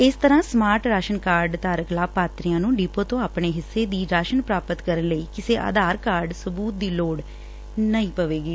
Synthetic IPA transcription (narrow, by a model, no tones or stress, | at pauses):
ɪst̪əɾãːsmaːɾʈɾaːʃənkaːɾɖt̪aːɾəklaːpaːt̪ɾɪjãːnũːɖiːpõːt̪õːaːpɳeːɦɪsːeːd̪iːɾaːʃənpɾaːpət̪kəɾənləiːkɪseːʔa̰ːd̪aːɾkaːɾɖsəbuːt̪̚d̪iːloːɽ | nəĩːpəʋeːɡiː